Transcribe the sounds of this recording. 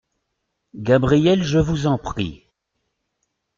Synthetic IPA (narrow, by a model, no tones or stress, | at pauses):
ɡabʁijɛlʒəvuzɑ̃pχḭ